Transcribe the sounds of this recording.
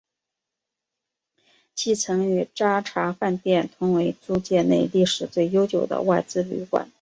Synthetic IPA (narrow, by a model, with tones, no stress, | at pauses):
t͡ɕi˥˩t͡sʰɤ˧˥ŋy˧˥ʈ͡ʂa˥ʈ͡ʂʰa˧˥fa˥˧nt̪jɛ˥˩nt̪ʰʊ˧˥ŋwe˧˥ɪt͡su˥˧t͡ɕjɛ˥˧ne˥˧ɪli˥˩ʂɻ̩˨˩t͡swe˥˩ɪjo˥ʊt͡ɕjo˨˩ʊd̪ə̰˦wa˥˧ɪt͡sɹ̩˥˧ly̰˧˥kwa̰˨˩˦n